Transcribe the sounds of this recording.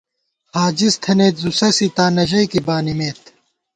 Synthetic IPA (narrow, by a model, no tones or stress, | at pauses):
haːd͡ʑist̪ʰɐneːt̪zusɐsit̪aːnɐʑɐjkibaːnimeːt̪